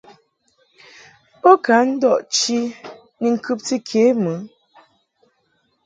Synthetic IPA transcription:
pɔ˦ka˨˦n̩˦dɔ˦˨ʔt͡ʃi˦ | ni˨ŋ̩˨kʉ˦p̚ti˦kʰe˨˦mɨ˨˦

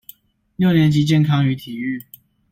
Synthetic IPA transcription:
ljo˥˨ʊnjɛ˨˦nt͡ɕi˨˥t͡ɕjɛ˥˨nkʰɑ˦˥ŋy˧˥t̪ʰi˨˩y˥˨

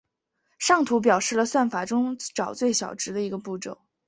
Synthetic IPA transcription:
ʂɑ˥˩ŋt̪ʰu˧˥p̬jɑ˨˩ʊʂɻ̩˥˩lə˩swa˥˩nfa˨˩ʈ͡ʂʊ˥ŋʈ͡ʂɑ˨˩ʊt͡swe˥˩ɪɕjɑ˨˩ʊʈ͡ʂɻ̩˧˥d̪ə˧i˧˥ɡə˧pu˥˩ʈ͡ʂo̰˨˩˦ʊ

